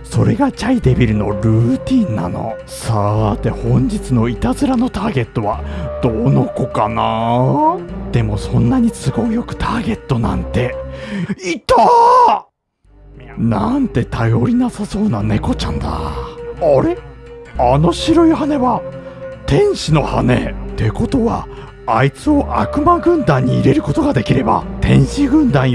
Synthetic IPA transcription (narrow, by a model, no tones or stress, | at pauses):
so̞ɾe̞ɡat͡ɕaid̪e̞bʲiɾɯ̟no̞ɾɯ̟ːt̪ʲĩnːa̰no̞̰ | sat̪ːe̞hõ̞ɲ̟d͡ʑit͡sɨno̞it̪azɨɾano̞t̪aːɡe̞t̪ːo̞βad̪̥ono̞ko̞kana | d̪̥e̞mo̞sõ̞nːaɲ̟isɨɡo̞jo̞kɯ̟̥t̪aːɡe̞t̪ːo̞nã̰nt̪e̞ | it̪a | nant̪e̞t̪ajo̞ɾʲinasaso̞ːnane̞ko̞t͡ɕã̰nd̪a̰aɾe̞ano̞ɕiɾo̞ihane̞βat̪ẽ̞ɰ̃ɕino̞ha̰ne̞̰t̪e̞ko̞t̪o̞βa̰ | ait͡sɨo̞ʔa̰kɯ̟maɡɯ̟̃nd̪ãɲ̟ːiːɾe̞ɾɯ̟ko̞t̪o̞ɡad̪e̞kʲiɾe̞ba̰t̪ẽ̞ɰ̃ɕiɡɯ̟̃nd̪ãɰ̃